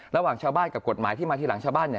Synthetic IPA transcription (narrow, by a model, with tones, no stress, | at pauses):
ɾa˧waː˨˩ŋt͡ɕʰaː˧wbaː˥˩nka˨˩p̚ko˨˩t̪̚maː˩˦t̪ʰiː˥˩maː˧t̪iː˥˩la˩˦ŋt͡ɕʰaː˧wbaː˥˩nːi˧˩